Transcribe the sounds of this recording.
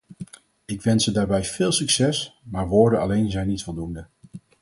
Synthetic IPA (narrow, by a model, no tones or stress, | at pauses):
ɪkʋɛnsədaːɹbɛjv̥ɪːlˠsyksɛsmaːɹʋoːɹdənɑlejnzɛjnːitfɔlˠdundə